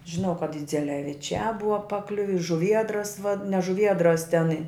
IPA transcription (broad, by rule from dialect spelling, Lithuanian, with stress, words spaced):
ʒʲɪˈnɐʊ kɐt ɪd͡zʲɛlʲɛʋʲɪˈt͡ʃʲæː ˈbʊʋɐ pɐˈklʲʊʋʲɪ ɪ ʒʊˈʋʲiɛdrɐs ʋɐ nʲɛ ʒʊˈʋʲiɛdrɐs tʲɛn ɪ